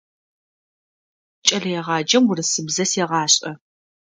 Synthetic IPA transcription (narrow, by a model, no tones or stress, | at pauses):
t͡ʃʼɐɮɐjɛʁɑːd͡ʒɐmʊrɨsɨbzɐsjɛʁɑːɕʼɐ